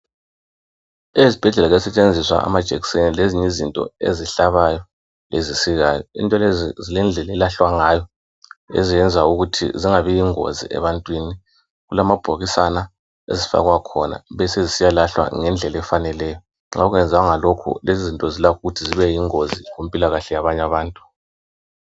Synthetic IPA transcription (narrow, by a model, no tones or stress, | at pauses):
eizib̥ʱɛɮɛlaɣɛsɛt͡ʃʼend͡zʱiswa̰a̰mad̥ʒ̥ʱɛkisenileziɲizintʼɔ̰ḛziɬaβajɔ | lezisiɣaːjɔḭntʼɔlezilɛnd͡ɮʱɛlɛlaɬwaŋajɔ | ḛzijɛnd͡zʱauɣutʰḭziŋaβijiŋo̰zḭʔɛ̰βantʼwini | ɣulamab̥ʱoɣisana | ḛzifa̰ɣwakʰɔna̰βɛsezisijalaɬwa̰ŋɛnd͡ɮʱɛlɛfanɛlɛːjɔ | ŋauɣɛnd͡zʱaaŋalokʰṵlezzintʼɔzilakʰuɣutʰiziβɛjiŋoziɣum̩pʼilaɣaɬɛjaβaɲaβaːntʼu